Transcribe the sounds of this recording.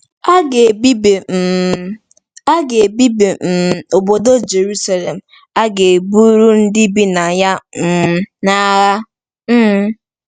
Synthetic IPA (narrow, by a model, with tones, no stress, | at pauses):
a˦ɡe˨bi˦be˨ | a˦ɡe˨bi˦be˨m̩˨o˨bo˨do˦d͡ʒe˨ɾu˦sa˨le˨m̩˨ | a˦ɡe˨bu˦ɾu˦n̩˦dɪ˦bi˦na˨ja˦m̩˨na˦ɣa˦ | m̩˦